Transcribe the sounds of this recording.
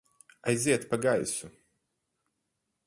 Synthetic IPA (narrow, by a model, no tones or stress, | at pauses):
ajzʲiɛt̪paɡajsu